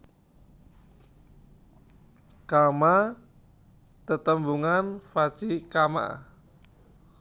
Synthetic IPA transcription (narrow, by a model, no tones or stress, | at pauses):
kama | t̪ət̪əmbuŋanfat͡ʃikama̰